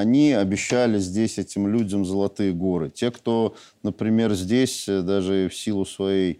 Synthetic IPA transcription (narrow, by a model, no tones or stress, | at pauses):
ɐnʲiɐbʲɪɕːælʲɪzʲdʲesʲɛtʲɪmlʲudʲəmzəlˠɐt̪ɨjəɡo̞ɾɨtʲe̞kt̪o̞ | nəpɾʲɪmʲe̞rzʲdʲesʲd̪aʐɨfsʲilˠʊsvɐjej